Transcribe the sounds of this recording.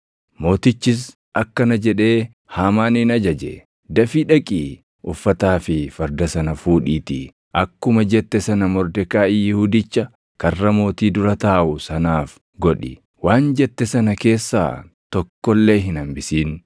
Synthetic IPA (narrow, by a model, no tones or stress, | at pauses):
mo̞ːt̪ɪt͡ʃːɪs̬ | ɐkːɐnɐd͡ʒɛᶑe̞ː | haːmaːnɪnɐd͡ʒɐd͡ʒɛ̰ | d̪ɐfiᶑɐkʼiː | ʔʊfːɐt̪aːfɪfɐɾd̪ɐsɐnɐfuːᶑiːt̪i | ʔɐkːʊmɐd͡ʒɛt̪ːɛsɐnɐmɔɾd̪ɛkaːʔɪjɪhud̪ɪt͡ʃːɐ | kɐrːɐmo̞ːt̪iːd̪ʊɾɐt̪aːʔʊsɐnaːf | ɡɔᶑɪ̰ | waːnd͡ʒɛt̪ːɛsɐnɐke̞ːsːa̰ː | t̪ɔkːɔlːe̞ːɦɪnɐmbɪsiːn